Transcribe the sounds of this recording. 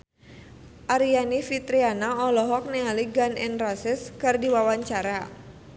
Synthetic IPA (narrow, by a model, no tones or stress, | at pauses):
ʔaɾianifit̪ɾianaɔlɔɦɔk̚nialiɡanʔɛnrasɪskardiwawaɲt͡ʃaɾa